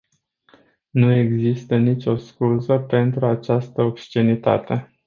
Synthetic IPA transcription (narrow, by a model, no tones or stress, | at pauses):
nue̞ɡzist̪ənit͡ʃʲo̞skuzəpe̞nt̪ɾuat͡ʃast̪əopst͡ʃenit̪a̰t̪e̞